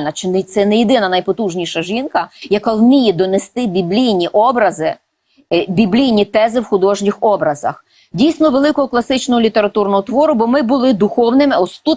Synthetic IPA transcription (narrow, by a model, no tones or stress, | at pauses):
lʲnɐt͡ʃɪnɪt̪sɛnɛjed̪ɪnɐnɐjpɔt̪uʒnʲijʃɐʒinkɐjɐkalmʲijɛd̪ɔnɛst̪ɪbʲiblʲijnʲiʔɔbɾɐzɪ | bʲiblʲijnʲit̪ɛzɪwxʊd̪ɔʒnʲɪxɔbɾɐzɐ̰x | dʲijsʲnɔʋelˠɪkɔɦɔklˠɐsɪt͡ʃnɔɦɔlʲit̪eɾɐt̪urnɔɦɔt̪ʋɔɾʊbɔmɪbʊlˠɪd̪ʊxɔwnɪmɪɔst̪u